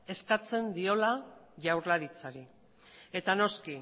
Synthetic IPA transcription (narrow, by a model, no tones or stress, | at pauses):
e̞skat͡se̞nd̪io̞la | ʝawɾlaɾit͡saɾi | e̞t̪ano̞ski